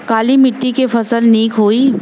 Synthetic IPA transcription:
kaːlimɪʈːikefɐsəlniːkɦoːi

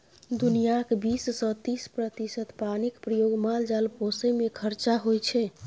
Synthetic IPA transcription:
d̪unijakbisːɔ̃t̪ispɾət̪isət̪panikpɾəjoɡmald͡ʒalposemekʰəɾt͡ʃaɦojt͡ʃʰɛ

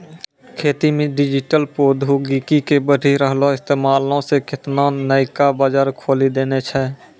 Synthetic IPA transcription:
kʰeːt̪imẽɖɪd͡ʒɪʈəlpoːd̪ʱuɡiːkikebəɖʱiɾəɦloɪst̪eːmaːlõsekɪt̪nanəɪkabaːd͡ʒaːɾkʰoːlid̪eːnet͡ʃʰɛ

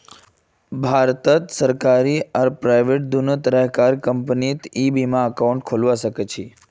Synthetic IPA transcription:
bʱaɾt̪ət̪səɾkaɾiaɾpɾajʋeʈ̚d̪unət̪ɾəɦkaɾkəmpnit̪ibimãəkauɳʈkʰolʋaʃəket͡ʃʰe

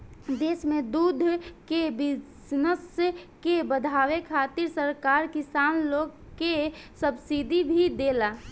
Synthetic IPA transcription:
d̪eːsmẽd̪uːd̪ʱkebɪsnəskebəd̪ʱaːwekʰaːt̪ɪɾsəɾkaːɾkɪsaːnloːɡ | kesəbsid̪ʱibʱid̪eːla

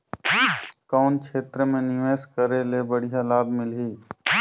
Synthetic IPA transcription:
kaːnkʃeːt̪ɾəmẽnɪʋeːskəɾelebəɽijalaːbmɪlɦiː

